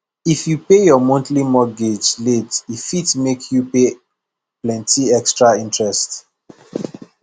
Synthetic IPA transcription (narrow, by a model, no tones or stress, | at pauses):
ifjupejɔmɔ̃ntlimɔɡed͡ʒledifitmekʰjupe | plɛ̃ntiɛkstɹaĩntɹɛst